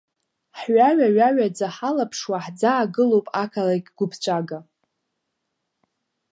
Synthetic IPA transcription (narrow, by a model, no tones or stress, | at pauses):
ħɥaɥaɥaɥad͡zaħalapʰʂwaħd͡zaːɡɨlowpʼakʰalakʲʼɡʷʊpʰt͡ʃʷʼaɡa